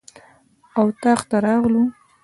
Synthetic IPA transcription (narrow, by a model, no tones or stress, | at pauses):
awt̪ɑχt̪aɾɑɣlu